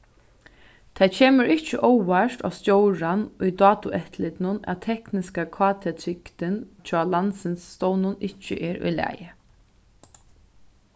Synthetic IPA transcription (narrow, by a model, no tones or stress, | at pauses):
t̪ʰat͡ʃʰeːməɾɪht͡ʃːəʔowaʂt̪a̰st̪jowɹanujd̪ɑːt̪ʊʔɛt̪lɪt̪nʊnæ̰ðt̪ʰɛhknɪskakʰvaːt̪ʰɛt̪ʰɾɪkt̪ɪnt͡ʃʰɔːlansɪnsːt̪ownʊnɪht͡ʃːə̰ʔɛːɾʊ̰jlæ̰ːjɪ